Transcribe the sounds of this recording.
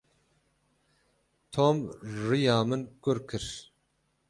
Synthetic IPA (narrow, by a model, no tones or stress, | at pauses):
t̪ʰoːmʐijɑːmɨnkʊɾkʰɨɾ